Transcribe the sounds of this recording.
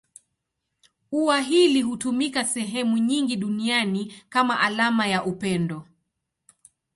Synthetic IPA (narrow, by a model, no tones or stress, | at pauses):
uwaɦiliɦutumikasɛɦɛmuɲiŋɡiɗunianikamaʔalamajaʔupɛndɔ